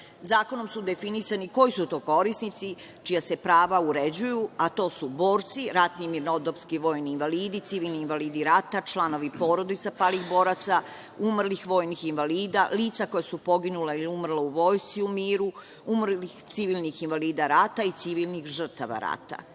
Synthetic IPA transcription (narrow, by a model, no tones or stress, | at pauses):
zaːko̞no̞msud̪e̞finisaniko̞jisut̪o̞ːko̞ɾisnit̪si | t͡ʃijase̞pɾaːʋauɾed͡ʑujuat̪o̞ːsuboːɾt̪siɾat̪nimiɾnod̪opskiʋo̞ːjniːnʋaliːd̪it̪siʋilˠniːnʋaliːd̪iɾat̪at͡ʃlˠano̞ʋipo̞ːɾo̞d̪it̪sapalixbo̞ːɾat̪sa | umrlixʋo̞ːjnixinʋaliːd̪aliːt̪sako̞jasupo̞ɡinuleiliumr̩leuʋo̞ːjst̪siumiːɾu | umrlixt̪siʋilˠnixinʋaliːd̪aɾat̪ait̪siʋilˠnixʒr̩t̪aʋa̰ɾa̰t̪a̰